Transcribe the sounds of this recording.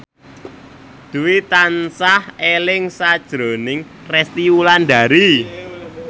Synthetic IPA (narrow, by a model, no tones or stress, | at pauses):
d̪̥uwit̪ansahelɪŋsad̥ʒ̥ɾo̤nɪŋ | rɛst̪iwuland̪a̤ɾi